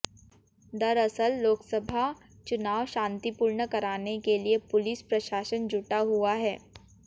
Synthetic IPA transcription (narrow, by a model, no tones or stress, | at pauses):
d̪ɐɾɐsəlːoːksəbʱa | t͡ʃʊnaːʋʃãːnt̪ipuːɾɳəkɐɾaːnekeliepʊlɪspɾɐʃaːʃənd͡ʒʱʊʈaɦuaɦɛː